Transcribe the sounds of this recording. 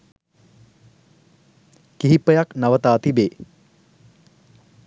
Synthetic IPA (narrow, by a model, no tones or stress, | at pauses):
kiɦipːəjaknaʋət̪aːt̪ibeː